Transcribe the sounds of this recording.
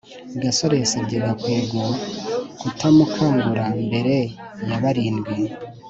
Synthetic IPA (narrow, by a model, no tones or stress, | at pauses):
ɡaso̞ɾeseɟeβakweːɡokutʰamukʰaŋɡuɾambe̞ɾe | jaβaɾiːndɡi